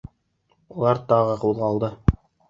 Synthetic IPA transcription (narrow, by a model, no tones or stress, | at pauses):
ulˠɑɾt̪ɑʁɤqulˠʁɑlˠd̪ɤ